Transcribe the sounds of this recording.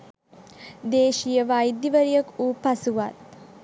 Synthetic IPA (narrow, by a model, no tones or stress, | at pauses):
d̪eːʃijəʋajid̪iʋəɾijəkuːpasuʋat̪̚